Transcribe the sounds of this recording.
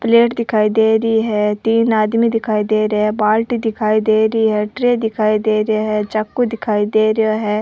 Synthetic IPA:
pleːʈd̪ɪkʰaːiːd̪eːɾəiːɦɛːt̪iːnaːd̪miːd̪ɪkʰaːiːd̪eːɾaːɛːbaːlʈid̪ɪkʰaːiːd̪eːɾəiːɦɛːʈɾeːd̪ɪkʰaːid̪eːɾɪaːɦɛːt͡ʃakːud̪ɪkʰaːiːd̪eːɾɪjaːɦɛː

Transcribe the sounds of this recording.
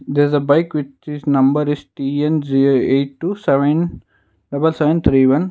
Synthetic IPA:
d̪eɾzəbaɪkʋɪt͡ʃiznʌ̃mbəɾɪsʈiɛ̃nziɾoeːʈːusɛʋə̃n | ɖɐbəlsɛʋə̃nt̪ʰɾiːʋʌ̃n

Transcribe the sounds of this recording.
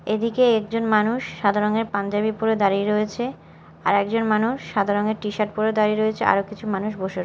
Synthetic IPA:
ed̪ikeɛk̚d͡ʑonmanuʃːad̪ʱaɾoŋeɾpand͡ʑabipuɾed̪aɾiɾoet͡ɕʰe | aɾɛkd͡ʑonmanuʃːad̪ʱaɾoŋeɾʈiʃaʈ̚puɾed̪aɾiɾoet͡ɕʰeʔa̰ɾokit͡ɕʰumanuʃboʃeɾ

